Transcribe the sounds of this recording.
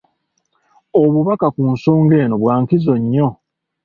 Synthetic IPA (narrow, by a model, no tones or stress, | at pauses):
oβuβakakuːnso̞ːŋɡe̞ːno̞βwaːŋkizo̞ɲːo̞